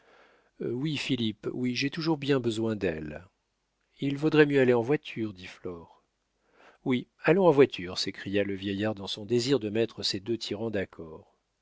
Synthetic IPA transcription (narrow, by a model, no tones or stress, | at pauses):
wifilipwiʒet̪uʒuʁbjɛ̃bəzwɛ̃d̪ɛ̰l | ilvod̪ʁɛmjøaleɑ̃vwat̪ʰyʁd̪iflɔːʁ | wi | alɔ̃ɑ̃vwat̪ʰyʁsekχijaləvjɛjaʁd̪ɑ̃sɔ̃d̪eziʁd̪əmɛt̪χəsed̪øt̪ʰiʁɑ̃d̪akʰɔːʁ